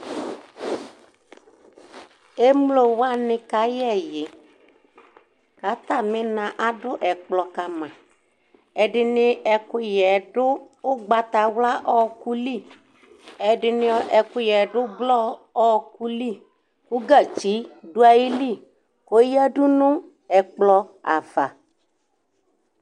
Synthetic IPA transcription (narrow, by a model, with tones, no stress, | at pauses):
e˦mlo˨wa˦nɪ˧ka˨˦jɛ˦˨jɪ˨ | ka˨˦t̪a˦˨mɪ˦nã˨ʔa˨dʊ˦ʔɛ˨k͡plɔ˨ka˨mã˨ | ɛ˨dɪ˨nɪ˦ʔɛ˨kʊ˦jɛ˨dʊ˦ | ʊ˦ɡ͡ba˧t̪a˨wla˦ʔɔ˦ku˦li˦˨ | ɛ˨dɪ˨nɪ˧ɔ˦ɛ˨kʊ˦jɛ˨ɖʊ˦ɡ͡blɔ˦ɔ˦ku˦li˦˨ | kʊ˦ɡa˨t͡ʃi˨˦dʊ˦a˨ji˦li˦˨ | ko˦ja˦ɖʊ˦nʊ̃˦ | ɛ˨k͡plɔ˧a̰˨va˨